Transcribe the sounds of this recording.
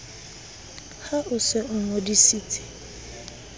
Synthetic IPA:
haʔʊsɛʔʊŋɔ̃disitʰi̥

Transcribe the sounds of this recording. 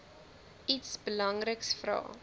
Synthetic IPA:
itsbəlɐŋrəksfrɑ̰ː

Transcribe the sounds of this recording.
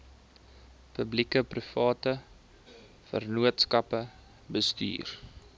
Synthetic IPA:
pəblikəprifɑːtə | fə̰rnuətskɐpə | bəsty̰ːr

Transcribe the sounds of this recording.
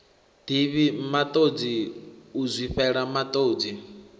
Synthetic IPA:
d̥iβimat̪ʼod͡ziuzʷiɸɛɺamat̪ʼoːd͡zi

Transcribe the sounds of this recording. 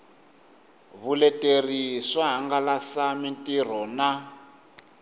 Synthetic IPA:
βulɛtʼeriʂaɦaŋɡalasamintʼir̤ɔna

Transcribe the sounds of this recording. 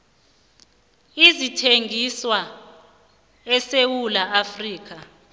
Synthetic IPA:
izitʰeŋʱiswa | ɛsewulaʔafriːk̬ʰa

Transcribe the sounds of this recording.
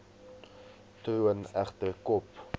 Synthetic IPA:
truənæχtərkɔp

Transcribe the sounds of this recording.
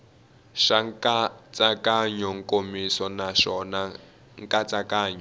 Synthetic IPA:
ʃaŋkat͡sʼakʼaɲɔŋ̩kʼomisɔnaʃɔna | ŋkʼat͡sʼakaːɲɔ

